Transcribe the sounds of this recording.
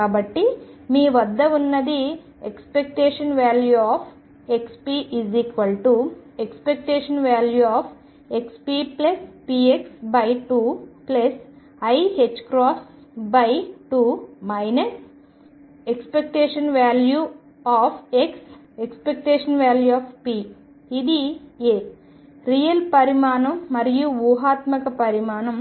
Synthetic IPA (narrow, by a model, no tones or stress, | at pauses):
aːbɐʈːimiːʋɐd̪ːɐunːɐd̪i | ekspek̚ʈeːʂɐnʋaːljuaːpʰ | ekspiːʔiziːkʋɐlʈuekspek̚ʈeːʂnʋaːljuaːpʰ | ekspiːplɐspiːeksbɐjʈuːplɐs | ɐjɦet͡ʃːkɾɔːsbɐjʈuːmɐjnɐs | ekspek̚ʈeːʂɐnʋaːlju | aːpʰeks | ekspek̚ʈeːʂɐnʋaːljuaːpʰpiː | d̪ieː | ɾijɐlpɐɾimaːnɐmːɐɾijuʋuːɦaːt̪mɐkɐpɐɾimaːnɐm